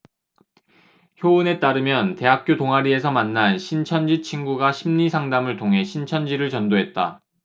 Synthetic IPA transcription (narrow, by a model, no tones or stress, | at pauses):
çjoɯne̞t͈aɾɯmjʌnte̞ɦak̚k͈jotoŋɦaɾie̞s̬ʰʌmanːanɕʰint͡ɕʰʌnd͡ʑit͡ɕʰinɡuɡaɕʰimɲisʰaŋdamɯɭtʰoŋɦe̞ɕʰint͡ɕʰʌnd͡ʑiɾɯɭt͡ɕʌndoɦe̞t̚t͈a̰